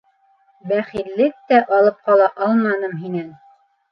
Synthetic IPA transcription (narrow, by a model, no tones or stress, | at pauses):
bæχilːɘk̚t̪æʔɑlˠɤp̚qɑlˠɑʔɑlˠmɑnɤmɦinæn